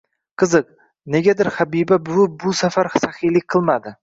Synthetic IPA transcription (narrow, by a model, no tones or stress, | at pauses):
qʰɨzɨq̚ | ne̞ɡʲad̪ɪɾhabibabʊbʊsafaɾsaχilɪk̚ʲqʰɨlˠmad̪ɪ